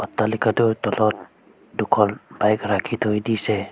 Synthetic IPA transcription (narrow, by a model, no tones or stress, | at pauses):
ɔtːalikadɔtɔlɔt̚ | dukʰɔlbajkɾakʰitʰɔjdisɛ